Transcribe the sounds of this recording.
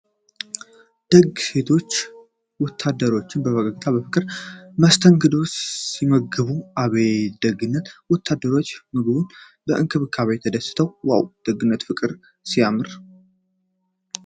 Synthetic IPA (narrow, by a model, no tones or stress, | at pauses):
d̪̥əɡse̞t̪ʰo̞t͡ʃː | wɔt̪ʰːad̪ːəɾo̞t͡ʃːɪnbəβəkʼəɡt̪ʰabəfɨkʼɨɾməst̪ʰəŋɡɨd̪ossiməɡɨβuʔaβed̪̥əɡɨnːət̪wɔt̪ʰːad̪əɾo̞t͡ʃːmɨɡɨbun | bəʔɨŋkʰɨβɨkʰaβet̪ʰəd̪əsɨ̥t̪ʰəwwa̰wd̪̥əɡɨnːət̪fɨkʼɨɾ | sijamɨɾ